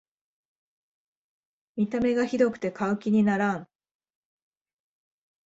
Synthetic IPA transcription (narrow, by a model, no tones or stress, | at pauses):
mʲit̪ame̞ɡaçid̪o̞kɯ̟̥t̪e̞kaɯ̟kʲiɲ̟inaɾãŋ